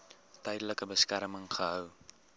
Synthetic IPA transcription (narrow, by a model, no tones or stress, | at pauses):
tɛjdələkəbəskæɾməŋχəɦœw